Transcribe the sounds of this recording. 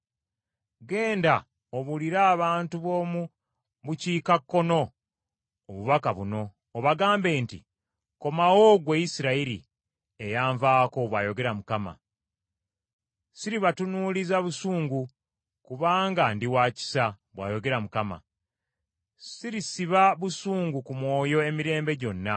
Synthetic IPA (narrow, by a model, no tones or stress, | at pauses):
ɡe̞ːnda | oβuliɾaːβaːntuβo̞ːmu | βuciːkakːo̞no̞ | oβuβakaβuno̞ː | βaɡaːmbeːntḭ | ko̞mawo̞ɡweisiɾaiɾḭ | ejaːɱvaːko̞βwaːjo̞ɡe̞ɾamukama̰ | siɾiβatunuːlizaβusuːŋɡu | kuβaːŋɡandiwaːci̥sa | βwa̰ːjo̞ɡe̞ɾamukama̰ | siɾisiβaβusuːŋɡukumwo̞ːjo̞e̞miɾe̞ːmbe̞ɟo̞nːa